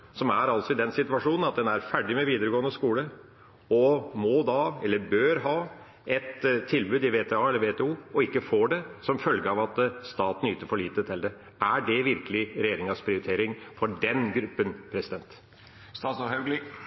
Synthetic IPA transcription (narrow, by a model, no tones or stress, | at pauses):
sɔmæɾɑlt̪sɔɪd̪ɛnsɪt̪ʋɑʂuːnnɑt̪̚d̪ɛnæɾfæɖɪmɛʋiːd̪əɾəɡoːənəskuːlə | ɔmɔd̪ɑɛlːəɾbøːɾɦɑː | ɛt̪tʰːɪlbʉːd̪ɪʋeːt̪ʰɛɑːɛlːəɾʋeːt̪ʰɛuːɔɪkːəfoːɖɛsɔmfœlɡəɑːʋɑt̪st̪ɑːt̪nyːt̪əɾfɔɭiːt̪ət̪ʰɪld̪ɛ | æɖɛʋɪɾkəlɪɾɛjeːɾɪŋɑspʰɾɪʊɾɪt̪ʰeːɾɪŋfɔɖɛnɡɾʉpːənpʰɾɛsɪd̪ɛnt̪ | st̪ɑːsɑhɑɡlɪ